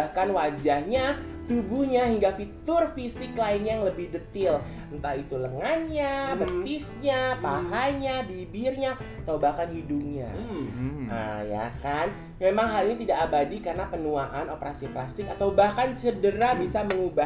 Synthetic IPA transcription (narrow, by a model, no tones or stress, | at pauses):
ahkanwad͡ʒahɲa | t̪ubuɲaɦiŋɡafit̪ʊrfisɪklaɪnjaŋləbɪhdət̪ɪl | ənt̪ait̪uləŋanɲabət̪ɪsɲapaɦaɲabibɪrɲa | t̪awbahkanhidup̚ɲa̰ | ə̰ja̰kan | memaŋɦalinit̪idaʔːbadikarnapənuaʔanopəɾasiplast̪ɪkat̪awbahkant͡ʃədəɾabisaməŋuba